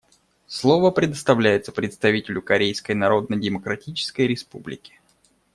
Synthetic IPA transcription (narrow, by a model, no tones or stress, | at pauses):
slˠo̞vəpɾʲɪd̪əst̪ɐvlʲæjɪt̪səpɾʲɪt̪st̪ɐvʲitʲɪlʲʊkɐɾʲejskəjnɐɾo̞d̪̚nədʲɪməkɾɐtʲit͡ɕɪ̥skəjɾʲɪspublʲɪ̰kʲɪ̥